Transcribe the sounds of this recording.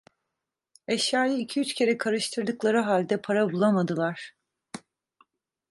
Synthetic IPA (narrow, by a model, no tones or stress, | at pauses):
ɛʃjaːjɯicʰiyt͡ʃcʰʲe̞ɾɛkʰaɾɯʃt̪ʰɯɾd̪ɯklˠaɾɯɦalʲd̪ɛpʰaɾabulˠamad̪ɯlˠaɾ̥